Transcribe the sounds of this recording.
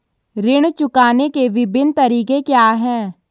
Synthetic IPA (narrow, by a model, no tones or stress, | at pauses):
ɾɪɽ̃t͡ʃʊkaːnekeʋɪbʱɪnt̪ɐɾiːkekjaːɦɛ̃ː